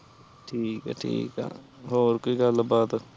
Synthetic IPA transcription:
ʈʰiːkɛ̰ʈʰḭːka̰ɦoːɾkoiɡɐlbaːd̪

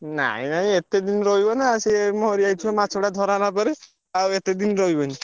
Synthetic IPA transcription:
na̰ĩnaɦĩet̪ed̪inɾɔɦjbɔnaːsemɔɦɾiajt͡ʃʰɔmat͡ʃʰoɽad̪ʱɔɾanapɔɾe | awet̪ed̪inɾɔɦibɔni

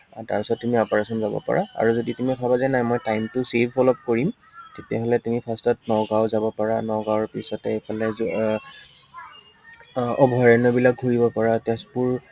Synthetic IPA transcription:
ta̰ɹpisɔtːumiɔpaɹasɔnzabɔ̰pa̰ɹʔa̰a̰ɹuzoditumiɔkʰabazajnajmɔjtajmtʊsebʱbɔlɔp̚koɹim | tetiaɦolɛtumipʰastɔtnɔɡawzabɔpaɹanɔɡawɹpisɔtɛpalɛz | ɔbʱɔɹɛnɔbilak̚ɡʱuɹibɔpaɹatɛspuɹ

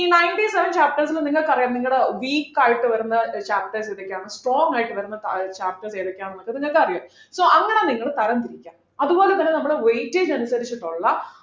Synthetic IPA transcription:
nɐjɳʈiseʋɐnt͡ɕaːp̚ʈɐrsilniŋːɐɭkːɨɐrijaːnniŋːɐɭeʋiːkːaːjiʈːɨʋɐɾunːɐt͡ɕaːp̚ʈɐrseːðokʲːeaːɳɨsʈroːŋɡaːjiʈːɨʋɐɾunːɐt͡ɕaːp̚ʈɐrseːðokːeaːɳonːokːeðiɲːɐɭkːɨɐrijaːm | soːɐŋːɐneniŋːɐɭet̪ɐɾɐnt̪iɾikʲːaːm | ɐðubo̞ːlet̪ːɐnːenɐmːuɽeʋejtːid͡ʑɐnusɐɾit͡ɕːiʈːoɭːɐ

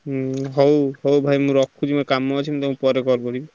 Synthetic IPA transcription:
ɦɔwɦɔwbʱajmũɾɔkʰːud͡ʒimkamːɔt͡ʃʰit̪ɔmũpɔɾekɔɾkɔɾi

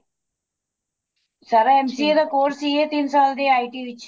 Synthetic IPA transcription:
sɐɾɐemsied̪ɐkoːɾsiet̪iːnsaːld̪eːaːjʈiːʋi

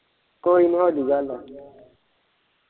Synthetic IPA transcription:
koinihɔduɡalɔ

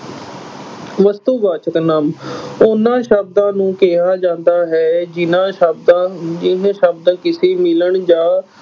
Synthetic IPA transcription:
ʋəst̪uːʋaːt͡ʃək̪naːmʊnãːʃəb̚d̪ãːnũːkeɦaːd͡ʒãːnd̪aːɦɛːd͡ʒɪnãːbd̪ad͡ʒɪɦʃəbd̪ãːkɪseːmɪləɳd͡ʒaː

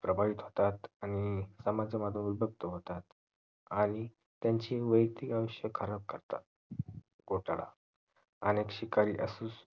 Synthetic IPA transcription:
pɾəbʱaʋit̪ɦot̪at̪añisəmad͡zəmad̪ʱjəmubʱək̚t̪əɦot̪at̪ | aɽ̃i | t̪jaɲt͡ɕiʋəjt̪ikaʋəɕjəkʰːəɾəb̚kəɾt̪a̰t̪ | ɡoʈaɭa̰ | ənekɕikaɾḭːʔəsuːs

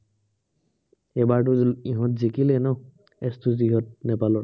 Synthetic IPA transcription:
ɛbaɹt̬ʊiɦɔ̃tzikilɛnɔ | ɛstuziɦɔt̚nɛpalɔɹ

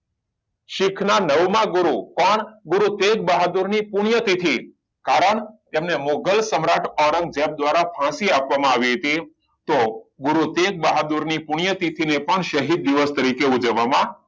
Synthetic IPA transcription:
ʃɪkʰnanəʋmãɡʊɾukɔɳɡʊɾut̪ek̚baɦad̪uɾnipuɳ̃jət̪it̪ʰi | kaɾəɳt̪emnemoɡəlsəmɾaʈʰɔɾə̃ŋɡ̚d͡ʒeb̚d̪ʋaɾapʰãsiapʋamãaʋiɦət̪i | t̪oɡʊɾut̪ek̚baɦad̪uɾnipuɳ̃jət̪it̪ʰinepəɳʃəɦid̪̚ːiʋəst̪əɾikeud͡ʒəʋamã

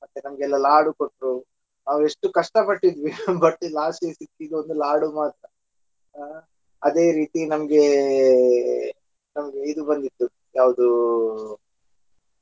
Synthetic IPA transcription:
mɐt̪ːenɐmɐɡɛlːɐlaːɽukoʈːɾu | naːʋue̞ʂʈukɐʂʈɐpɐʈːid̪ʋibɐʈːlaːsisikːid̪uond̪ulaːɽumaːt̪ɾɐ | ɐd̪e̞ːɾiːt̪inɐmɐɡe̞ | nɐmɐɡeid̪ubɐnd̪it̪ːu | jaːʋɐd̪u

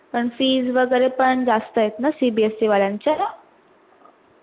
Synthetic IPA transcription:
pəɳfiːd͡zʋəɡəɾepəɳd͡zast̪əjet̪nasibiesiʋaljãɲt͡ɕa

